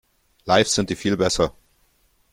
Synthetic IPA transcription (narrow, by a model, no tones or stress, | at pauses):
laɪfz̥ɪnt̚d̥iːfiːlbɛsɐ